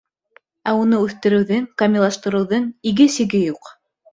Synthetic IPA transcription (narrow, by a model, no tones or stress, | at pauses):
æunɤʉθt̪ɘ̆ɾɘ̆wðɘŋkɐmʲɪlˠɑʃt̪ɤ̆ɾɤ̆wðɤŋiɡɘsɘ̆ɡɘjuq